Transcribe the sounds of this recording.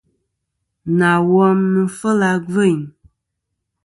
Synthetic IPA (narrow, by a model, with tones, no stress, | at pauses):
na˨wɔ˦mmɨ˨fə˦la˨ɡə˦˨ɲ